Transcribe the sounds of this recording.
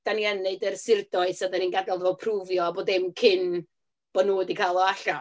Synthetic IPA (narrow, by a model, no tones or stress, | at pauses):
d̥aniɛneɨdərsɪrdɔɨsadaninɡadalˠvɔpʰruvjɔaboːdɪmkʰɪn | b̥ɔnudikʰaːlˠɔaɬa